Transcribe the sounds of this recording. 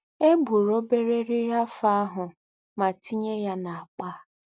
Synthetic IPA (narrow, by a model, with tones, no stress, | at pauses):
e˦bu˨ɾo˦be˦ɾe˦ɾi˦ɾa˦fa˦a˦ɦʊ˨ | ma˨ti˦ɲe˦ja˦na˨a˨k͡pa˦